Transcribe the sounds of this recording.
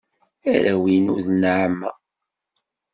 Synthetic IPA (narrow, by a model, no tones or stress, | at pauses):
æɾæwinʊ̰ðnʕəmːæ